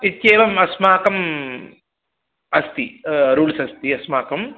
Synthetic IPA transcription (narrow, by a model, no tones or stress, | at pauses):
it̪jeːʋɐmɐsmaːkɐm | ɐst̪iɾuːlsɐst̪iɐsmaːkɐm